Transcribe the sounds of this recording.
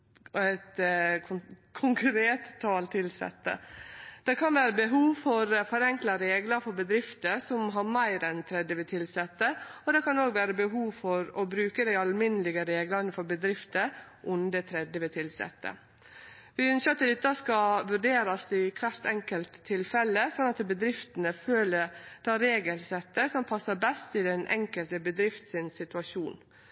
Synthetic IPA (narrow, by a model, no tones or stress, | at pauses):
æɪt̪ | kʰʊŋkɾeːt̪t̪ʰːɑːlt̪ʰɪlsɛ̰t̪ːə̰d̪̥ɛkʰɑnʋæːɾəbəɦuːʋfɔɾfɔɾɛŋklɑɾeːɡlɑɾfɔɾbəd̪ɾɪft̪əsɔmɦɑɾmæɪɾɛnt̪ʰɾɛd̪jəʋət̪ʰɪlsɛt̪ːəɔd̪ɛkʰɑnoːɡʋæːɾəbəɦuːʋfɔɾɔbɾʉːkəd̪æɪɑlmɪnəlɪɡəɾeːɡlɑnəfɔɾbəd̪ɾɪft̪ə | ʔʊnd̪ət̪ʰɾɛd̪jəʋət̪ʰɪlsɛ̰t̪ːə̰ | ʋɪʉnsət̪əd̪ɪt̪ːɑskɑʋʉɖeːɾɑsɪkʰʋæɾt̪ɛŋkəlt̪ʰːɪlfɛlːəsɔnːɑt̪bəd̪ɾɪft̪ənəføːləd̪̥ɑɾeːɡəlsɛt̪ːəsɔmpʰɑsːəbɛst̪ɪd̪ɛnʔɛ̰ŋkəlt̪əbəd̪ɾɪft̪sɪnsɪt̪ʉɑʃuːn